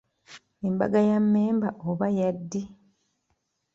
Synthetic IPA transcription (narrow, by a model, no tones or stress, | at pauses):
emba̰ɡajamːeːmbaʔoβajadːi